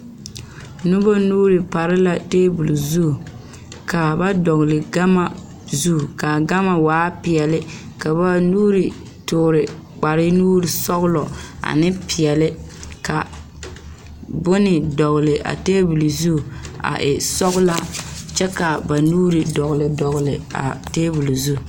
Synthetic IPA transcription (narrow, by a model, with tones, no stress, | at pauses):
nu˦ba˦nuː˦ɾɨ˨pa˨ɾɪ˦la˦teː˦bu˨lu˨zu˦˨ | ka˨ba˦dɔ˨ɣlɪ˨ɡa˦ma˦ | zu˦˨ka˨ɡa˦ma˨waː˨˦pi˨ɛ˨lɪ˦ | ka˨ba˦nuː˦ɾi˨ | tʊ˨ɾɪ˨k͡pa˨ɾɪ˦nuː˦ɾi˨sɔ˦ɣʊ˦lɔ˨a̰˨nɪ˦pi˨ɛ˨lɪ˦ka˨ | bʊ˦nɪ˨dɔ˨ɣʊ˨lɪ˨ʔa̰˨teː˦bu˨lu˨zu˦˨a̰˨ʔɪ˨sɔ˦ɣʊ˦la˦t͡ʃɛ˦ka˨ba˨nuː˦ɾi˨dɔ˨ɣʊ˨lɪ˨dɔ˨ɣʊ˨lɪ˨a̰˨teː˦bu˨lu˨zu˦˨